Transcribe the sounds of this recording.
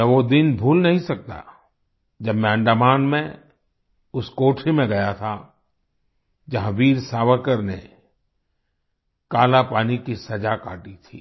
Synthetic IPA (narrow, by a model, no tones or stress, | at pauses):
ɛʋod̪ɪnbʱuːlnɐɦĩsɐk̚t̪a̰ | d͡ʒɐbmɛ̃ə̃ɳɖamaːnmẽ | ʊskoːʈʰimẽɡɐjat̪ʰa | d͡ʒɐɦãʋiːɾsaːʋəkəɾnḛ | kaːlapaːnikisɐd͡ʒaka̰ːʈit̪ʰḭː